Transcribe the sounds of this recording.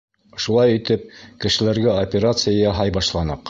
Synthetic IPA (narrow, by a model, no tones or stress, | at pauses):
ʃulˠɑjĭt̪ɘp̚kɘ̆ʃɘ̆læɾɡæopʲeɾat̪sɨjajɑɦɑjbɑʃlˠɑnɤq